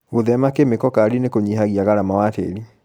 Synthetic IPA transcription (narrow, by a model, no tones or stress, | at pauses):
ɣoðɛmakemekɔkaɾinekoɲiɦaɣiaɣaɾamawatḛɾi